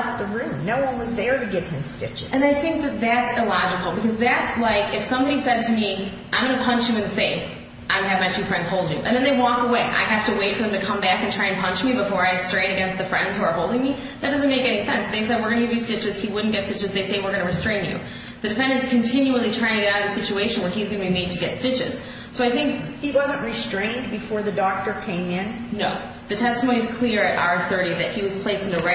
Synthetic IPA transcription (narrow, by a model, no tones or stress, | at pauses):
t̪̚ðəɹʉ̃mnoʊwʌ̃nwʌzðə˞ɾɨɡɪv̥ɨ̃mstɪt͡ʃɨɨ̃naɪθɪ̃ŋk̚ðɨt̪̚ðætsɪlɑd͡ʒɨkl̩ˠbɨkʰʌzðætslaɪkɨfsʌ̃mbɑɾisɛd̚tʰɨmiʔãɪ̃mɡʌnɨpʰʌ̃nt͡ʃjɨɨ̃nðɨfeɪs | ʔãɪ̃ɨvmaɪt͡ʃʰʉfɹɛ̃ndz̥hoʊlˠdd͡ʒjʉ̰ʔɨ̰̃nðɨ̃nðeɪwɔkəweɪʔa̰ɪɦæftɨweɪtfə˞ðɨ̃mtɨkʰʌ̃mbækɨ̃n̩tʰɹ̥aɪɨ̃npʰʌ̃nt͡ʃmibəfɔɹaɪstɹ̥ẽɪ̃ñɨɡɛ̃nst̪̚ðɨfɹɛ̃ndz̥huə˞ɦoʊlˠdɪ̃ŋmi | ðɨt̚d̥ʌz̃nmeɪkɛñisɛ̰̃nsðeɪsɛd̚wəɹɡʌnɨɡɪvjɨstɪt͡ʃɨz̥iwʊdⁿn̩ɡ̥ɛtstɪt͡ʃɨzðeɪseɪwəɹɡʌnɨɹɨstɹ̥ẽɪ̃njʉ̰ | ðɨdɨfɛ̃ndɨ̃nz̥kʰɨ̃ntʰɪ̃njul̩ˠitʰɹ̥aɪɪ̃ŋɨaʊɾʌvðɨsɪt͡ʃueɪʃɨ̃n̩wə˞izɡʌnbimeɪd̚tʰɨɡɛtstɪt͡ʃɪ̰z̥ | soʊaɪθɪ̃ŋk̚hiwʌzə̃nʔɹistɹ̥ẽɪ̃nbɨfɔɹðɨdɔk̚tə˞kʰẽɪ̃mɪ̃nnoʊ | ðɨtʰɛstəmõʊ̃niɨz̥kʰl̥ɪɹɨɾa̰ʊə˞θɜ˞ɾiðɨt̚hiwʌz̥pʰl̥eɪstɨn̩ðɨɹa